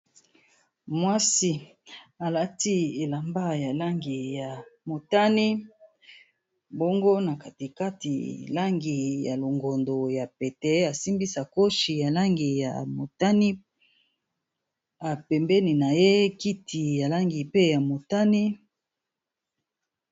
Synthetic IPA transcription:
mwa˦si˦ | a˨la˦ti˦e˨la˨mba˦ja˨la˦ŋɡi˨ja˨mo˨ta˦ni˦ | bo˦ŋɡo˦na˨ka˨ti˨ka˦tḭ˨la˦ŋɡi˨ja˨lo˨ŋɡo˨ndo˨ja˨pɛ˨tɛ˨˦a˨si˦mbi˦sa˨ko˦ʃi˨ja˨la˦ŋɡi˨ja̰˨mo˨ta˦ni˦ | a˨pɛ˨mbɛ˦ni˨na˨je˦ki˦tʰi˨ja˨la˦ŋɡi˨pe˦ja˨mo˨ta˦ni˦

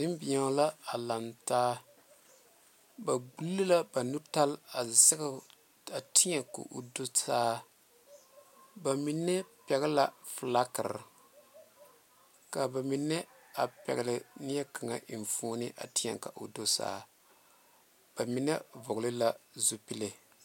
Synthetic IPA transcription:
dɪ˦m˦bi˨ɲa˦la˦a˨la˨mtaː˦ | ba˨ɡ͡bu˦lːɨ˦la˦ba˨nu˦ta˦la˨sɛ˦ɡa˦ | a˨tɪ˦ɲa˨ko̰˨ʔo̰˨do˦saː˦ | ba˨mi˨nːɛ˦pɛ˨ɡa˦la˨fla˦kɨ̰˨ɾ | ka˨ba˨mi˨nːɛ˦a˨pɛ̰˨ɡa˨lɪ˨ni˦jɛ˦ka˨ŋa̰˨ʔi˨ɱ˨foː˦nɪ˦ʔa̰˨ti˦ɲa̰˨ŋka̰˨ʔo˨do˦sa̰ː˦ | b̥a˨mi˨nɛ˦vʊ˨ɡlɪ˦la˦zu˦pi˦le˨

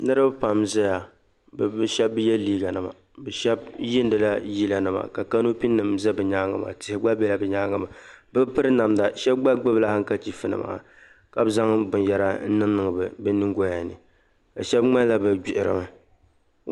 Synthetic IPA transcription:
nɨ˦ɾɨ˦bpa˨mzɛ˦ja˨ | bɨ˨bɨ˦ʃɛ˦bːɨ˦jɛ˦liː˦ɡa˨nɨ˨ma̰˨ | bɨ˨ʃɛ˦b̚jɪ˦n˦dɨ˨la˦ji˦la˨nɨ˨ma̰˨ka˨ka˦no˦pi˦nːɨ˨mzɛ˦bɨ˨ɲa˦ŋa̰˦˨ma̰˨tɪ˨hɪ˨ɡ͡ba˦bɛ˦la˨bɛ˨ɲaː˦ŋa˨ma˨bɨ˦pɨ˦ɾɨ˦na˨mda˨ʃɛ˦b̚ɡ͡ba˦ɡ͡bɨ˦bla˦ha˦ŋ̩˦ka˦t͡ʃi˦fɨ˨nɨ̰˨ma̰ː˨ | ka˨bza˦ŋbʊ˨n˨jɛ˦ɾa˦n̩˦nɨ˦ŋ˦nɨ˨ŋ˨bɨ˨bɨ˦nɨ˦ŋɡo˦ja˨nɨ̰˨ | ba˨ʃɛ˦bŋ͡ma˦n˦la˦bɨ˨d͡ʒi˨ʔɪ˨ɾɨ̰˨mɨ˨

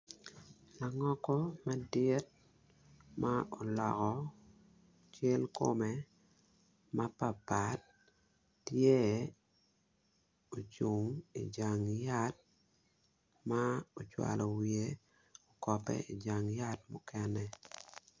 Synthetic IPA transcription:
la˨ŋɔ˦kɔ˦ma˦dɪ˦t̚ | ma˦ʔo˨lɔ˨kɔ˨ | t͡ʃe˦lko̰˦me˦ | ma˦pa˨pa˨t̚ː | je˦ | o˨t͡ʃu˨ŋḭ˨d͡ʒa˨ŋja˦t̚ | ma˦o˨t͡ʃwa̰˨lʔɔ˨wie˦ | o˨kɔ˨pɛ̰˦i˨d͡ʒa˨ŋja˦t̚mʊ˦kɛnɛ

